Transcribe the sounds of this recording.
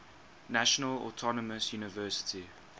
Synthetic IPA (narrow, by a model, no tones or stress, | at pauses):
naʃɔnəlɔ̰tʰɔnɔməsjuːnɪvɜːˑsɪ̥tʰi